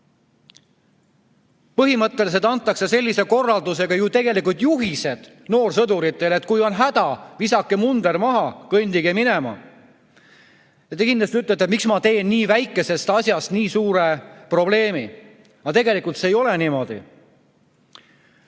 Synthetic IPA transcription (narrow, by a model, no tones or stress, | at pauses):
pɤɦimɤt̪ːˑe̞lis̬e̞t̪ɑnt̪ːˑɑksese̞lʲːise̞ko̞rːɑld̪use̞ɡ̥ɑjut̪e̞ɡe̞likult̪juɦise̞d̪̥ | no̞ːrsɤd̪uɾit̪ˑːe̞le̞t̪ˑkujo̞nɦæd̪ɑvisɑkːˑe̞mund̪ermɑɦɑkɤnʲd̪iɡimine̞mɑ̰ | jɑt̪ekind̪ɑst̪iyt̪ːˑlet̪ːˑemiksmɑt̪e̞ːnniːvæjkːˑe̞se̞st̪ɑsʲjɑst̪niːsuːɾe̞pro̞ble̞ːmi | ɑt̪e̞ɡe̞likult̪seːjo̞le̞nimo̞d̪̥ḭ